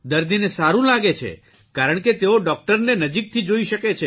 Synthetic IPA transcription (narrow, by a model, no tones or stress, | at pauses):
d̪əɾd̪inesaɾũlaɡet͡ʃʰḛ | kaɾəɳket̪eoɖɔk̚ʈəɾnenəd͡ʒik̚t̪ʰid͡ʒoiʃəket͡ʃʰe